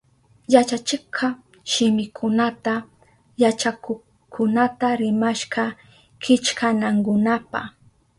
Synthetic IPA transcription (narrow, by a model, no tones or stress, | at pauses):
jat͡ʃat͡ʃɪqʰɑ | ʃɪmɪkʰʊnat̪a | jat͡ʃako | kʰʊnat̪aɾɪmaʃɢɑ | kɪt͡ʃkanaŋkʊnapa̰